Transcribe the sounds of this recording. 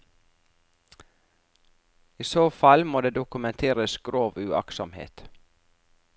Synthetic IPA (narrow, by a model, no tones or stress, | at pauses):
iːsoːfɑlmoːd̪eːd̪ʊkʉmɛnt̪ʰeːɾəsɡ̥ɾoːʋʉɑ̰ksɔmhḛːt̪